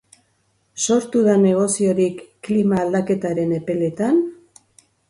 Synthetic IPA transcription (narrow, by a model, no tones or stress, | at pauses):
so̞ɾt̪uðane̞ɣ̞o̞sio̞ɾikːlimaːld̪ake̞t̪aɾe̞ne̞pe̞le̞t̪an